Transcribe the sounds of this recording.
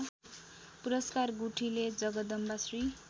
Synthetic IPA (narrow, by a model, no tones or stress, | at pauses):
puɾʌskarɡuʈʰiled͡zʌɡʌd̪ʌmbasri